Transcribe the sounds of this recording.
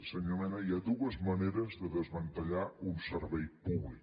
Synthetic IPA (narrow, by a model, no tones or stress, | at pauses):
səɲəmɛnəiad̪uəzməneɾəzðəðəzβənt̪əʎaunsəɾβɛjpuβlik